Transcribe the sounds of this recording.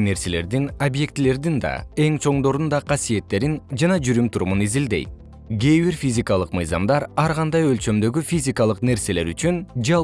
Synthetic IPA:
ne̞ɾse̞le̞̰ɾd̪inobje̞kt̪ile̞ɾd̪ind̪ɑ̰e̞ŋt͡ʃʰo̞ɴd̪o̞ɾund̪ɑqʰɑsije̞t̪ːe̞ɾind͡ʒɑnɑd͡ʒyɾymt̪ʰuɾumunizild̪e̞̰jt̪̚ | ɡejβiɾfʲizʲikɑlˠɯqmɯjzɑmd̪ɑɾɑɾʁɑnd̪ɑjø̞lt͡ʃø̞md̪ø̞ɡyfʲizʲikɑlˠɯqne̞ɾse̞le̞ɾyt͡ʃynd͡ʒɑ

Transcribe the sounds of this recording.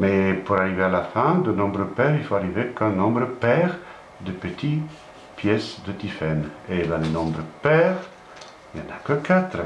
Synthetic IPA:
mɛpuʁaʁivealafɛ̃d̪ənɔ̃bʁəpɛːʁilfoaʁivekə̃nɔ̃bʁəpɛʁ | d̪əpət̪ʰi | pjɛsd̪ət̪ifɛned̪ãlenɔ̃bʁəpɛʁ | iljɑ̃nakəkat̪χə

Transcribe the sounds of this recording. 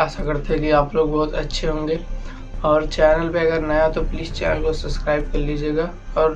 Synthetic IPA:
ɛːsakɐɾt̪eɦɛ̃ɡiaːploːɡbɔːʊt̪ɐtːʃʰeɦõːŋɡeː | ɔːɾt͡ʃɛːnəlpeɐɡəɾnɐjat̪opliːst͡ʃɛ̰ːnəlkosɐbskɾaːɪb̚kɐɾlid͡ʒeːɡaː | ɔːɾ

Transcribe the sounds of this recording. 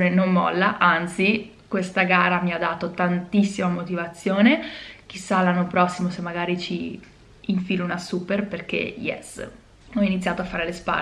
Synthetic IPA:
nenomːɔ̰lːaʔant̪si | kwest̪aɡaːɾamiad̪ːaːt̪ot̪ant̪isːimamot̪ivat̪sːjoːnek̟isːalːanːopɾɔsːimosemːaɡaːɾit͡ʃiː | ɱfilunasuːperperk̟ḛjɛ̰s | ɔinit̪sːjaːt̪oafːaːɾelespa̰

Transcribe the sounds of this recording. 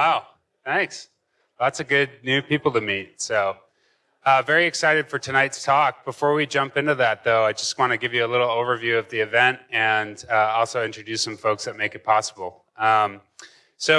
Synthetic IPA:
aʊ | θæ̃ks | ðætsɨɡʊd̚ⁿnʉpipl̩ˠtɨmit̚soʊ | ʌvɛɹiɨksaɪɾɨd̥fə˞tʰɨnaɪtstʰɔk̚b̥əfɔɹwid͡ʒʌ̃mpɪ̃ntʉðæt̪̚ðoʊaɪd͡ʒʌstwɑ̃ñɨɡɪvjɨəlɪɾl̩ˠoʊvə˞vjʉʌvðiɨvɛ̃nt̚ɨ̃nʌɔlˠsoʊɪ̃nt͡ʃɹ̥ɨdʉsʌ̃ɱfoʊksðɨt̚meɪkɨt̚pʰɑsəbl̩ˠ | ʌ̃m | soʊ

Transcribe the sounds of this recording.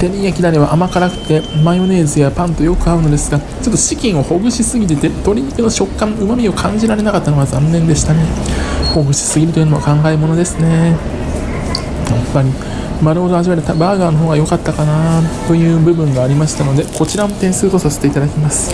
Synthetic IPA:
t̪e̞ɾʲijakʲid̪aɾʲiβaʔːmakaɾakɯ̟̥t̪ːe̞majo̞ne̞ːzɨjapãnt̪o̞jo̞kɯ̟aɯ̟no̞d̪e̞sɨɡa | t͡ɕo̞t̪ːoɕikʲĩɰ̃o̞ho̞ɡɯ̟ɕisɨɡʲit̪et̪e̞t̪o̞ɾʲiikʲeno̞ɕo̞kːãmɯ̟mamʲio̞kʰãɲ̟d͡ʑiɾaɾe̞nakat̪ːanoazãnːẽ̞nd̪e̞ɕi̥t̪ane̞ho̞ɡɯ̟ɕi̥sɨɡʲiɾɯ̟t̪o̞jɯ̟noa̰kãŋɡaimo̞no̞d̪e̞sɨne̞ | apːaɾʲi | maɾɯ̟ho̞d̪oaʑiβaɾet̪abaːɡaːno̞ɦo̞ːɡajo̞kat̪ːakanat̪o̞jɯ̟ːbɯ̟bɯ̟̃ŋɡaːɾʲimaɕi̥t̪ano̞d̪e̞ko̞t͡ɕiɾamot̪ẽ̞ɰ̃sɨːt̪o̞sase̥t̪e̞it̪ad̪akʲimasɨ̥

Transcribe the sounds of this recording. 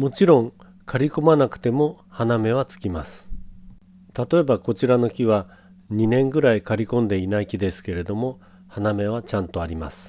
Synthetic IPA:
mo̞t͡ɕiɾõ̞ŋ | kʰaɾʲiko̞manakɯ̟̥t̪e̞mo̞ | haname̞β̞at͡sɨ̥kʲimasɨ̥ | t̪at̪o̞e̞bako̞t͡ɕiɾano̞kʲiβa | ɲ̟inẽ̞ŋɡɯ̟ɾaikaɾʲikõ̞nd̪e̞inaikʲid̪e̞sɨ̥ke̞ɾe̞d̪o̞mo̞ | haname̞β̞at͡ɕãnt̪o̞aɾʲima̰sɨ̥

